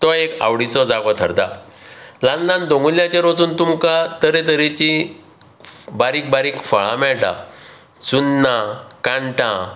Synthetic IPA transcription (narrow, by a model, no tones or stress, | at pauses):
t̪ɔeka̰wɽit͡sɔd͡zaɡɔt̪ʰəɾd̪a | lãnlãnd̪oŋɡulːjãt͡ɕeɾʋɔt͡suːnt̪umkat̪əɾẽt̪əɾet͡ɕi | baɾiːk̚baɾiːkfəɭãmɛɭʈa̰ | t͡sunːãkãɳʈã